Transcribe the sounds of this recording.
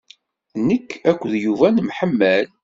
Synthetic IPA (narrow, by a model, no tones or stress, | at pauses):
nəkːækʷːðjuvænmħəmːæl